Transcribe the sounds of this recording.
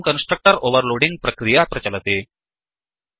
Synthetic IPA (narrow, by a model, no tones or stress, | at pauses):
kɐnsʈɾɐk̚ʈɐɾoːʋɐɾloːɖiŋɡ̚pɾɐkɾijapɾɐt͡ʃɐlɐt̪e